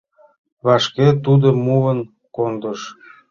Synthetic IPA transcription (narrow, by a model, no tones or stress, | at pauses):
βɑʃket̪ud̪əmuən | kond̪əʃ